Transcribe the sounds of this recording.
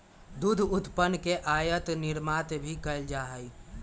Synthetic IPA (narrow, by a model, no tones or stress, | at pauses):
d̪ud̪ʱʊt̪pənːkeʔaːjət̪nɪɾmaːt̪bʱikəld͡ʒaɦəi